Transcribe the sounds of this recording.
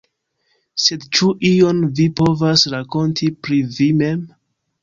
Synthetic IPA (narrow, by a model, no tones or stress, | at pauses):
se̞dt͡ʃuʔio̞nvipo̞vasɾako̞ntʰipɾivime̞m